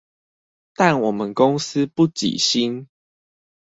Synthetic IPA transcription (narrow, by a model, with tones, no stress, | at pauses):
t̪a˥˨nwɔ˨˩mə˨nko˦ŋsɨ˦pu˥˨t͡ɕḭ˨˩ɕi˦n